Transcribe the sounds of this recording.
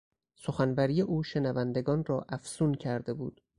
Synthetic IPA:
so̞xænbæɾijeʔuːʃe̞nævænd̪e̞ɡɒːnrɒːʔæfsuːncʰæɾd̪e̞buːd̪̥

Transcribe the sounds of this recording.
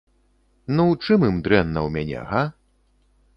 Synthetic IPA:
nuwt͡ʂɨmɨmd̪ɾɛnːɐwmʲanʲɛ̰ɣa

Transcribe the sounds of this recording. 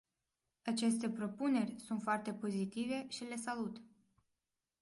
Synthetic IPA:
at͡ʃe̞st̪e̞pɾo̞pune̞rʲsunt̪foart̪e̞po̞zit̪ive̞ʃile̞salut̪

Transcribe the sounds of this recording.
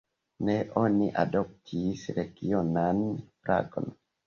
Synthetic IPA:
neʔoniʔa̰dop̚tʰisɾeɡionanfɾʔa̰ɡo̰n

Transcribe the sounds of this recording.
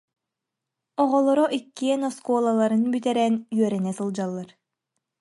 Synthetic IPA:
ɔʁɔlˠɔɾɔʔikːiɛnɔskuɔːlˠalˠaɾɯnbyt̪ɛɾɛnyœɾɛnɛsɯlˠd͡ʑalˠːaɾ

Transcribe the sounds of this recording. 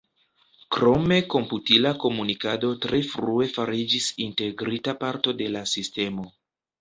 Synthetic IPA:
kɾo̞me̞ko̞mputilako̞munikado̞tɾe̞fɾue̞faɾid͡ʒisinte̞ɡɾitapaɾto̞de̞lasiste̞mo̞

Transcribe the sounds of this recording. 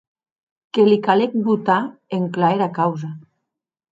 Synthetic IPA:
kelikalek̚but̪aeŋklaeɾakawza

